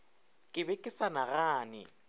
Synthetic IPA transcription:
kʼɪbɛkʼɪsanaɣaːnɪ̰

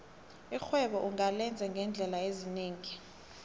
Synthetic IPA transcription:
ixwɛɓɔʔuŋalɛnd͡zʱɛŋɡʱɛnd͡ɮʱɛlaezineːŋi

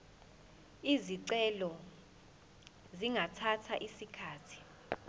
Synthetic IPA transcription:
iziǀɛlɔ | ziŋʱatʰatʰa̰ʔisikʰaːtʰi̥

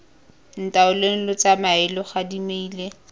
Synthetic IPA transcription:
n̩tʼaʊlen̩lɔt͡samaɪlɔχadimeiːle

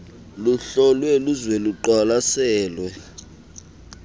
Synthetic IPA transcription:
luɬɔlwɛluzweluǃalasɛːlwɛ

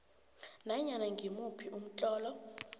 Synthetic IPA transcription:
naɲanaŋɡʱimupʰiʔum̩t͡ɬʼɔːlɔ

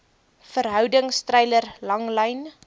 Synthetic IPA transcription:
fəɾɦœwdəŋstrɛjlərlɐŋləjn

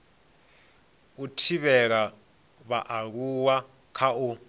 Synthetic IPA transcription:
utʰiβɛk̬a | βaʔak̬uwa | kʰau

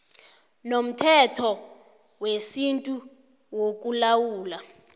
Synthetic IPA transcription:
nom̩tʰɛtʰɔ | wesintʼu | wok̬ʼulawuːla

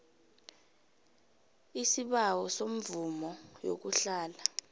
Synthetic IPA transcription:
isiɓawɔsom̩vumɔjo̰k̬uɬaːla

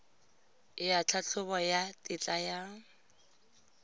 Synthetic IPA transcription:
ɪat͡ɬʰat͡ɬʰʊβɔjatʼɪt͡ɬʼaja

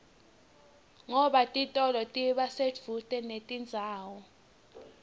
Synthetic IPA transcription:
ŋɔɓatʼitʼɔlɔtʼiɓasedd͡v̥ʱutʼɛnetʼind͡zʱaːwɔ

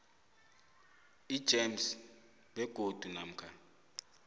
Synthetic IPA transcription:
id̥ʒ̥ʱem̩s | ɓɛɡ̥ʱod̥ʱunam̩kʰa

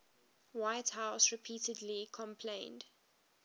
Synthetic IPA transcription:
waɪthaʊsɹɪpʰiːtədlikʰɔ̃mpʰlẽɪ̃nd̥

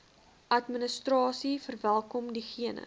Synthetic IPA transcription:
ʔɐtmənəstrɑːsifərvælˠkɔmdiχiənə̰

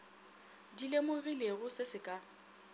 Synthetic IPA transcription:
dilemʊɣileɣʊsɪsɪkʼa

